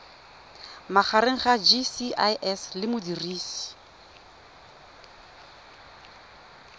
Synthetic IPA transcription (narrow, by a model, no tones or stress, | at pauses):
maχaɾeŋ̩χad͡ʒisiʔajʔɛslɪmʊdiriːsi̥